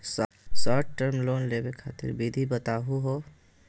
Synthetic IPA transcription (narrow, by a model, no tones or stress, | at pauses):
s | sɔːʈʈəɾmloːnleːbekʰa̰ːt̪ɪ̰ɾbid̪ʱibət̪aːɦuɦoː